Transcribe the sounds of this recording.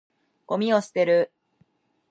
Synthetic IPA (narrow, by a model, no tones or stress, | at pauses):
ɡ̥o̞mʲio̞sɨ̥t̪e̞ɾɯ